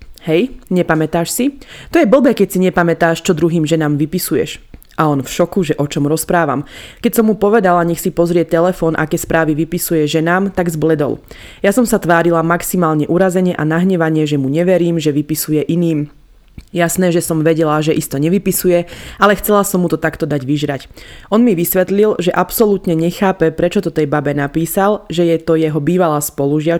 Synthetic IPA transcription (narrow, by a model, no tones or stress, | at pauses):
hɛjɲɛpamɛt̪aːʃsit̪ɔjɛbl̩ˠbɛkɛcsiɲɛpamɛt̪aːʃt͡ʃɔd̪ɾuɦiːmʒɛnaːmʋipisujɛ̰ʃ | ʔaɔnfʃɔkuʒɛʔɔt͡ʃɔmɾɔspɾaːʋa̰mkɛcsɔmːupɔʋɛd̪alaɲɛxsipɔzɾɪɛt̪ɛlɛfɔːnʔa̰kɛːspɾaːʋiʋipisujɛʒɛnaːmt̪aɡzblɛd̪ɔ̰l | jasɔmsat̪ʋaːɾilamaksimaːlɲɛʔuɾazɛɲɪɛʔanaɦɲɛʋaɲɪɛʒɛmuɲɛʋɛɾiːmʒɛʋipisujɛʔiniːm | jasnɛːʒɛsɔmʋɛɟɛlaʒɛʔist̪ɔɲɛʋipisujɛalɛxt͡sɛlasɔmːut̪ɔt̪akt̪ɔd̪aɟʋiʒɾacʔɔnmiʋisʋɛt̪lilʒɛʔapsɔlut̪ɲɛɲɛxaːpɛpɾɛt͡ʃɔt̪ɔt̪ɛjbabɛnapiːsalʒɛjɛt̪ɔjɛɦɔbiːʋalaːspɔluʒɪa